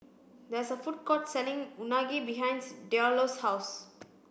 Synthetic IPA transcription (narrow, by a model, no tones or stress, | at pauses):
d̪ɛsəfuʈ̚kɔʈsɛlĩŋunaɡibiɦãɪ̃nsɖeɔloshaʊs